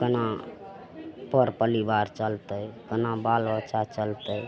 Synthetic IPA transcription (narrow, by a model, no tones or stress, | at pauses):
kəna | pəɾpəlibaɾt͡ʃəlt̪əjkənabalʋət͡ʃat͡ʃəlt̪əj